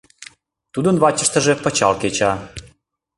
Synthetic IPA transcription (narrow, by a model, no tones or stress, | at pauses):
t̪ud̪ənβɑt͡ɕəʃt̪əʒepə̆t͡ɕɑ̰lket͡ɕɑ